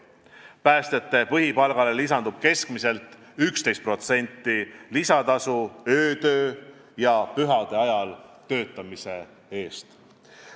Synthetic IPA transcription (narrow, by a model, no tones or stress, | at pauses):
pæːst̪e̞t̪ːˑe̞pɤɦipɑlɡ̥ɑlelisɑnd̪ub̥ke̞skmise̞lt̪ːˑ | ykst̪e̞jst̪pro̞t̪se̞nʲt̪ːˑilisɑt̪ɑsuøːt̪ø̞ː | jɑpyɦɑd̪̥e̞ɑjɑlt̪ø̞ːt̪ːˑɑmise̞ | e̞ːst̪